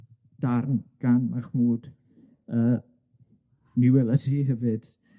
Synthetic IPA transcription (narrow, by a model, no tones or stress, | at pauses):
d̥arnɡ̥anmaχmuːd | əː | niwɛlˠasiɦɛvɨd̥